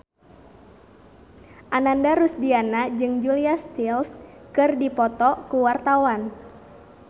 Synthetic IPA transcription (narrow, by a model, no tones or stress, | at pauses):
ʔanandaɾusdianad͡ʒɨŋd͡ʒuliast̪ilskɨrdipɔt̪ɔkuwart̪awan